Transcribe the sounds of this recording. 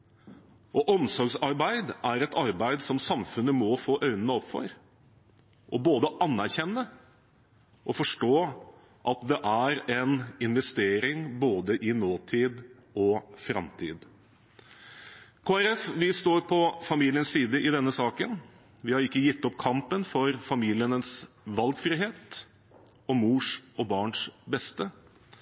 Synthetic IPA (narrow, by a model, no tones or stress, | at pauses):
ʔɔʔɔmsɔɾɡsɑɾbæɪd̪ʔæɾɛt̪ɑɾbæɪd̪sɔmsɑmfʉnːəmɔfoːʔœʏnənəɔpfɔ̰ɾ | ʔɔboːd̪əʔɑnːæɾçɛnːə | ʔɔfɔʂʈoː | ʔɑt̪d̪ɛʔæɾɛnɪnʋɛst̪eːɾɪŋboːd̪əʔɪnoːt̪ʰiːd̪ | ɔfɾɑ̰mt̪ʰḭːd̪ | kʰoːæɾɛfʋɪst̪oːɾpʰɔfɑmiːlɪənssiːd̪əʔɪd̪ɛnːəsɑːkən | ʋɪhɑɾɪkːəjɪt̪ːɔpkʰɑmpənfɔɾfɑmiːlɪənəs | ʋɑlɡfɾɪɦeːt̪ | ɔmuːʂɔbɑːɳʂbɛst̪ə